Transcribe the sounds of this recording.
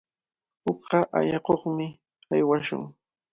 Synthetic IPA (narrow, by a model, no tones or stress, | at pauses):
hʊkɢɑʔa̰ʎɑqoχmɪ | ajwaʃʊ̰ŋ